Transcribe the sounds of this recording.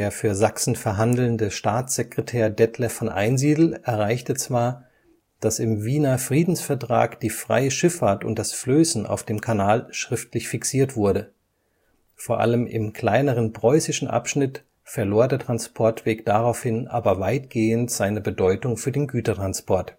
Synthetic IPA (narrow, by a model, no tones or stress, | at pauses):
d̥eːɐfyːɐzaksn̩fɛɐɦandl̩ndəʃtaːt͡sz̥ekʁ̥ɛtʰɛːɐdɛtʰləfɔnʔa̰ɪnziːdl̩ʔɛɐʁ̞aɪçtət͡sv̥aːɐ | d̥asɪmviːnɐfʁ̥iːdn̩sfɛɐtʁ̥a̰ːkd̥iːfʁ̥a̰ɪəʃɪfaɐtʊ̰ntd̥asfløːsn̩a̰ʊfd̥eːmkʰanaːlʃʁ̥ɪftlɪçfiksiːɐtv̥ʊɐɾə | foːɐʔa̰ləmʔɪ̰mkʰl̥aɪnəʁ̞ənpʁ̥ɔʏsɪʃn̩ʔa̰pʃnɪt | fɛɐloːɐdeːɐtʁ̥anspʰɔɐtv̥eːkd̥aʁaʊfhɪnʔa̰ːbɐvaɪtɡ̥eːəntz̥aɪnəbədɔʏtʊŋfyːɐdeːnɡyːtɐtʁ̥anspʰɔɐt